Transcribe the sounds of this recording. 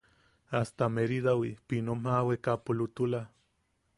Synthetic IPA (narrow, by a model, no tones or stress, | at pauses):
ast̪ameɾid̪awipinomawekapulut̪ula